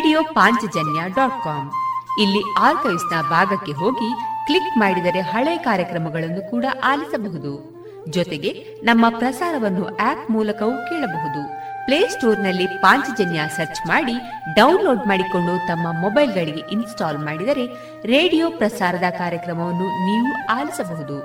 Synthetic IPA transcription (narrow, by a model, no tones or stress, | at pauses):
ɖijoːpaːɲt͡ʃɐd͡ʒɐnjaɖaːʈ̚kaːmilːiaːɾkɐjsnɐbʱaːɡɐkːe̞ɦo̞ːɡikɭikmaːɽid̪ɐɾe̞ɦɐɭɐkaːɾjɐkɾɐmɐɡɐɭɐnːukuːɽɐʔaːlisɐbɐɦud̪u | d͡ʒɔt̪e̞ɡe | nɐmːɐpɾɐsaːɾɐʋɐnːuʔaːpmuːlɐkɐʋukɛːɭɐbɐɦud̪upleːsʈoːɾnɐlːipaːɲt͡ʃɐd͡ʒɐnjasɐɾt͡ʃmaːɽi | ɖɐwnlo̞ːɖmaːɽiko̞ɳɖut̪ɐmːɐmɔbɐjlɡɐɭiɡe̞ʔinsʈaːlmaːɽid̪ɐɾe̞ | ɾe̞ːɽijoːpɾɐsaːɾɐd̪ɐkaːɾjɐkɾɐmɐʋɐnːuniːʋuaːlisɐbɐɦud̪u